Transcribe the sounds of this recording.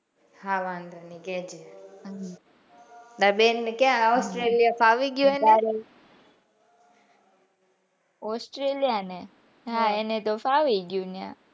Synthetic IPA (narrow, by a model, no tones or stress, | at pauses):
hãʋãnd̪ɾanikɛd͡ʒeɦɦ | d̪abenːekjãɔsʈɾelijafaʋiɡjũenaɾe | osʈɾeljane | ɦãenet̪ofaʋiɡjũnjã̰